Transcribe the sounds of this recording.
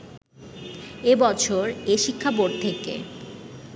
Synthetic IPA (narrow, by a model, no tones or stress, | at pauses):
ebɔt͡ɕʰoɾeʃikʰːapoɖ̚t̪ʰekḛ